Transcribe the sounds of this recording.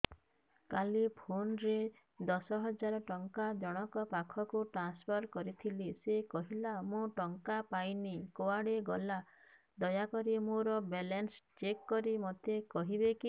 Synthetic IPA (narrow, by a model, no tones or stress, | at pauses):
kalipʰonɾe | d̪ɔsɔɦɔd͡ʒaɾɔʈɔŋkad͡ʒɔɽ̃ɔkɔpakʰɔkuʈɾanspʰɔɾkɔɾit̪ʰilisekɔɦilamũʈɔŋkapajnikoaɽeɡɔla | d̪ɔjakɔɾimõɾɔbelenst͡ʃekːɔɾimɔt̪ekɔɦibeki